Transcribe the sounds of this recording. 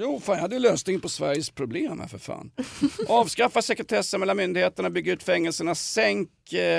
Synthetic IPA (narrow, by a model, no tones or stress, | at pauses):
juːfanjahad̪ːəjɵløːsnɪŋəpɔsvæ̰ɾjəspʰɾʊbleːmhæ̰ɾfœɾfa̰ːnʔɑːvskɾafːasɛkɾɛt̪ʰɛsːənmɛlanmʏnd̪ɪheːt̪əɳabʏɡːaʉ̟ːt̪fɛŋːɛlsəɳasɛŋk